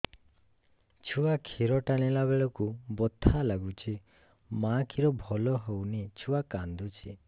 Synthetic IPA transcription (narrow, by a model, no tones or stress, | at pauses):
t͡ʃʰuakʰiɾɔʈanilaβeɭɔkubɔt̪ʰːalaɡut͡ʃʰi | makʰiɾɔbʱɔlɔɦownit͡ʃʰuakand̪ut͡ʃʰi